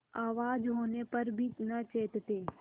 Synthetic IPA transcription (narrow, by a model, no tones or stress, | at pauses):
aːʋaːd͡ʒɦoːnepəɾbʱinət͡ʃeːt̪t̪eː